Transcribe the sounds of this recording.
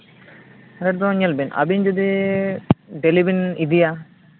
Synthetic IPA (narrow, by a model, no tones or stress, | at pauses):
ɾɛʈd̪ɔ̃ɲɐlbinɐ̰bind͡ʒod̪i | ɖelibinid̪ija